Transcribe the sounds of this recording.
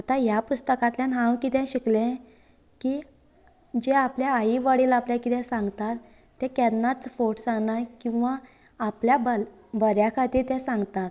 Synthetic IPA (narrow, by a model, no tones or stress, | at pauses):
at̪ajapust̪əkat̪ljanɦãwkit̪ɛ̃ɕiklẽ | ki | d͡ʑeapljaːiʋaɽiːlapljakit̪ɛ̃sãŋɡt̪at̪ː | ɛ̃kɛnnːat͡sfoʈsanakĩw̃ʋaː | pljabəl | bəɾjakʰat̪iːɾt̪ɛ̃sãŋɡt̪at̪